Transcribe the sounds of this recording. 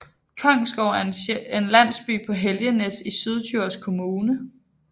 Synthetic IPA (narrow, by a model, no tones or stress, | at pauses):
kʰɒŋ̰sɡ̥ɒʊ̰æɐe̝nlæn̰sb̥y̰ːpʰɒ̽ɦeljənesisyð̞ˠt͡sʰuɐ̰skʰo̝muːnə